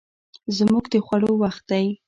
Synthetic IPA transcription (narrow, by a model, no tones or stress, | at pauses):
zmuɡd̪əxwaɽowaxt̪̚d̪aj